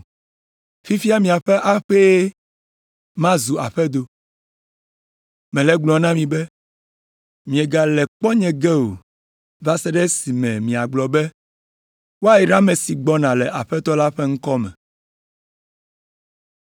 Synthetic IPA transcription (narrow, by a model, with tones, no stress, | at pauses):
fi˦fi˦a˦mĩ˨a˨ɸɛ˦ʔa˦ɸe˦ | mã˦zu˨a̰˨ɸɛ˦d̪o˦ | mɛ̃˨lɛ˦ɡ͡blɔ˨nã˦mĩ˨bɛ˦ | mĩ˨ɛ˨ɡa˨lɛ˨k͡pɔ˦ɲɛ̃˨ɡɛ˦o̰˨ | va˦sɛ˦ɖɛ˦si˨mɛ̃˨mĩ˨a˨ɡ͡blɔ˨bɛ˦ | wo˦a˦ji˨ɖa˦mɛ̃˨si˨ɡ͡bɔ˦nã˨lɛ˨ʔa˨ɸɛ˦t̪ɔ˦la˦ɸɛ˦ŋ̩˦kɔ˦mɛ̰̃˨